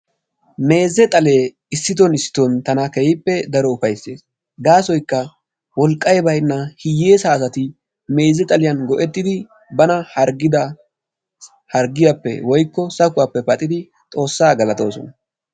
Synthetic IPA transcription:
me̞ːzːɛt̪ʼɐle̞ː | ɪsːɪt̪ɔnɪsːɪ̥t̪ɔnt̪ɐnɐkɛjɪpːɛd̪ɐɾɔʊfɐjse̞ːs | ɡaːsɔjkːɐ | wɔlkʼːɐjbɐjnːɐhɪjːeːsaːsɐt̪ɪ | me̞ːzːɛt̪ʼɐlɪjɐnɡɔʔɛt̪ːɪd̪ɪ | bɐnɐhɐɾɡɪd̪ɐ | hɐɾɡɪjɐpːɛ̰wɔjkːɔsɐkʊwapːɛpɐt̪ʼːɪd̪ɪ | t̪ʼo̞ːsːaːɡɐlɐt̪o̞ːsɔ̰nɐ

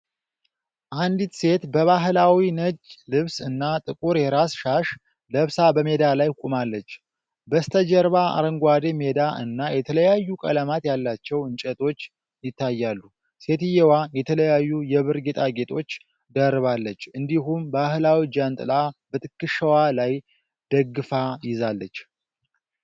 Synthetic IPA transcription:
ʔand̪it̪se̞t̪bəβaɦlawinəd͡ʒlɨβsɨnːat̪ʼɨkʼuɾjɛɾasʃaʃ | ləβsabəme̞d̪alajkʷʼumalːət͡ʃː | bəst̪ʰəd͡ʒəɾβaa̰ɾəŋɡʷwad̪eme̞d̪aʔɨ̰nːajɛt̪ʰələjajːukʼə̰ləmat̪jalːat͡ʃːɛwɨnt͡ʃʼɛt̪ʰʼo̞t͡ʃː | jɪt̪ːajːalːu | se̞t̪ɨjewajɛt̪ʰələjajːujɛβɨɾɡit̪ʼaɡe̞t̪ʰo̞t͡ʃː | d̪ərːɨβalːət͡ʃːɨnd̪iɦumbahlawid͡ʒant̪ʼɨlabət̪ʼɨkːɨʃəwalaj | d̪̥əɡːɨfajɪzalːət͡ʃː

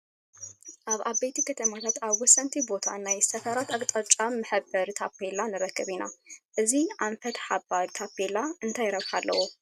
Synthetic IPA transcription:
ʔaβʔaβɐjt̪ʰikʰɐt̪ʰɐmat̪ʰat̪aβwɔsɐnt̪ʰibo̞t̪ʰanajsɐfɐɾat̪akʼt̪ʼɐt͡ʃʼamɨħɨbːɐɾt̪ʰapːelanɨɾɐkːɨβinaʔɨziʔaɱfɐt̪ħabaɾt̪ʰapːelaɨnt̪ʰajɪɾɐβħalːɐ̰wu

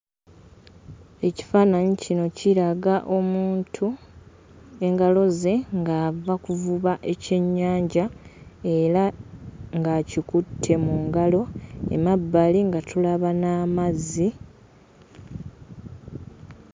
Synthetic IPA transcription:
e̞ci̥faːnaɲicino̞ciɾaɡaʔo̞muːntʰu | e̞ŋɡalo̞ze̞ŋɡaːvakuvuβaʔe̞ce̞ɲːaːɲɟae̞ɾa | ŋɡacikutʰːe̞muŋɡalo̞e̞̰mabːaliŋɡatulaβanaːmazːi

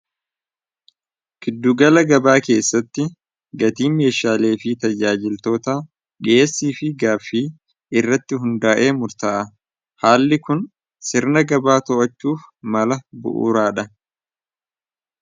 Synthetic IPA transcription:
kɪd̪ːʊɡɐlɐɡɐbaːke̞ːsːɐt̪ːɪ | ɡɐt̪iːme̞ːʃaːle̞ːfɪt̪ɐd͡ʒaːd͡ʒɪlt̪o̞ːt̪aː | ᶑɪeːsːiːfɪɡaːfːiː | ɪrːɐt̪ːɪɦʊnd̪aːʔe̞ːmʊɾt̪aːʔɐ | haːlːɪkʊn | sɪɾnɐɡɐbaːt̪ɔʔɐt͡ʃːuːfmɐlɐbʊ̰ʔṵːɾaːᶑɐ

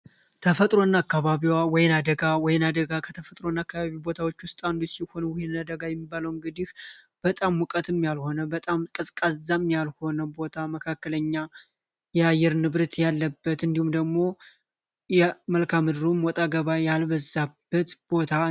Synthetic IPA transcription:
t̪ʰəfət̪ʼɾo̞nːakːaβaβiwawɔjɪnad̪əɡawɔjɪnad̪əɡakʰət̪ʰəfət̪ʼɾo̞nːakːaβaβibo̞t̪ʰawot͡ʃːwʊst̪ʼand̪usiho̞nwɔjɪnad̪əɡajɛmːibaləwɨŋɡɨd̪ih | b̥ət̪ʼamwɔkʼət̪ʰɨmjalho̞nəbət̪ʼamkʼɨsʼkʼazːamjalho̞nəbo̞t̪ʰaməkʰakːələɲːa | jɛajːɛɾnɨβɾɨt̪jalːəbːət̪ɨnd̪ihumd̪əɡmo̞ | jɛməlkʰamɨd̪ɨɾumwɔt̪ʼaɡəβajalβəzːabːət̪b̥o̞t̪ʰa

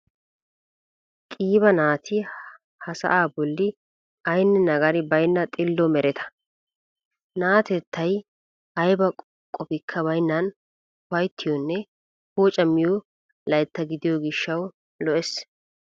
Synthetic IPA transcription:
kʼiːbɐnaːt̪ʰɪ | hɐsɐ̰ʔaːbɔlːɪ | ɐjnːɛnɐɡɐɾɪbɐjnːɐt̪ʼɪlːɔmɛɾɛt̪ʰɐ̥ | naːt̪ɛt̪ʰːɐj | ɐjbɐ | kʼɔpɪkʰːɐbɐjnːɐn | wɐjt̪ʰːɪjɔnːɛ | hoːt͡ʃʼɐmːɪjo | lɐjt̪ːɐɡɪd̪ɪjɔɡɪʃːɐw | lɔʔɛs

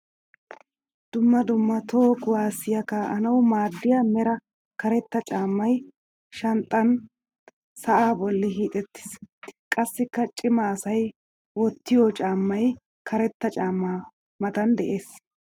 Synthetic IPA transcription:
d̪̥ʊmːɐd̪ʊmːɐt̪ʰoːkʊwaːsɪjɐkɐʔɐ̰nɐwʊmaːd̪ːɪjaːmɛɾɐ | kɐɾɛt̪ːɐt͡ʃʼaːmːɐj | ʃɐnt̪ʼːɐn | sɐʔaːbɔlːɪɦiːt̪ʼɛt̪ːɪ̥skʼɐsːɪkːɐt͡ʃʼɪmaːsɐj | wɔt̪ːɪjɔt͡ʃʼaːmːɐj | kʰɐɾɛt̪ːɐt͡ʃʼaːmːaː | mɐt̪ɐnd̪ɛʔe̞ːs

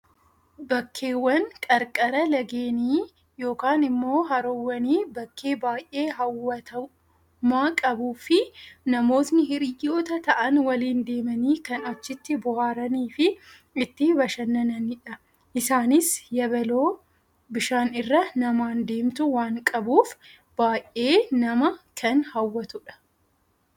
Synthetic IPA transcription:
bɐkʰːe̞ːwːɐnkʼɐɾkʼɐɾɐlɐɡe̞ːniː | jo̞ːkaːnɪmːo̞ːɦɐɾowːɐniːbɐkːe̞ːbaːjʔe̞ːɦɐwːɐt̪ʰɐ | maːkʼɐbuːfɪnɐmo̞ːt̪nɪɦɪɾɪjːo̞ːt̪ɐt̪ɐʔɐnwɐliːnd̪e̞ːmɐniːkɐnɐt͡ʃːɪt̪ːɪbʊhaːɾɐniːfɪ | ɪt̪ːɪbɐʃɐnːɐnɐniᶑɐ | ʔɪsaːnɪsjɐbɛlo̞ː | bɪʃaːnɪrːɐnɐmaːnd̪e̞ːmt̪ʊwaːŋkʼɐbuːf | b̥aːjʔʔe̞ːnɐmɐkʰɐnhɐwːɐt̪ʊᶑɐ̥

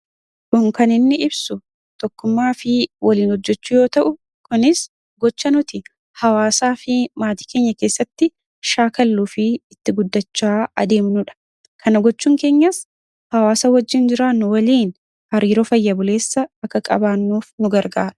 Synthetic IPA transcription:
kʊŋkɐnɪnːɪɪbsʊ | t̪ɔkːʊmːaːfɪwʔɐliːnhɔd͡ʒːɛt͡ʃːʊjo̞ːt̪ɐʔʊ | kʊnɪs | ɡɔt͡ʃːɐnʊt̪ɪ | hɐwaːsaːfɪmaːt̪i̥ːke̞ːɲːɐke̞ːsːɐt̪ːɪ | ʃaːkɐlːuːfɪːt̪ːɪɡʊd̪ːɐt͡ʃːaːɐ̰d̪e̞ːmnʊᶑɐ̥ | kʰɐnɐɡɔt͡ʃːuːŋke̞ːɲːɐs | hɐwaːsɐwɐd͡ʒːɪnd͡ʒɪɾaːnːʊwɐliːn | hɐɾiːɾoːfɐjːɐbʊle̞ːsːɐɐkːɐkʼɐ̰baːnːuːfnʊɡɐɾɡaːᶑʊ̥

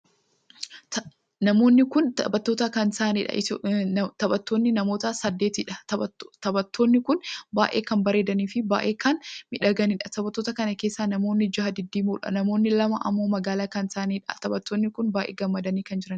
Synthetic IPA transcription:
nɐmo̞ːnːɪkʊnt̪ɐbɐt̪ːo̞ːt̪ɐkɐnsaːnḭːᶑɐ̰ʔɪ | t̪ɐbɐt̪ːoːnːɪnɐmo̞ːt̪ɐsɐd̪ːeːt̪iᶑɐɐt̪ɐbɐt̪ʰːoːnːɪkʊnbaːʔe̞̰ːkɐnbɐɾe̞ːd̪ɐniːfɪbaːʔe̞ːkɐnmɪᶑɐɡɐniːᶑɐt̪ɐbɐt̪ːo̞ːt̪ɐkɐnɐkeːsːaːnɐmo̞ːnːɪd͡ʒɐhɐd̪ɪd̪ːiːmuːᶑɐ̰nɐmo̞ːnːɪlɐmɐʔɐ̰mːoːmɐɡaːlaːkɐnsaːniːᶑɐ̰t̪ɐbɐt̪ːoːnːɪkʊnbaːʔḛːɡɐmːɐd̪ɐniːkɐnd͡ʒɪɾɐn

